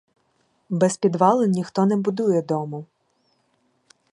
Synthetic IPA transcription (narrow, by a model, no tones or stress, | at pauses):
bɛspʲid̪ʋɑlˠenʲːixt̪ɔnɛbʊd̪ujɛd̪ɔmʊ